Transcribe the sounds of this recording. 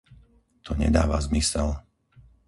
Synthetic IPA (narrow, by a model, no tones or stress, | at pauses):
t̪ʰɔɲɛ̰d̪aːʋazmisɛl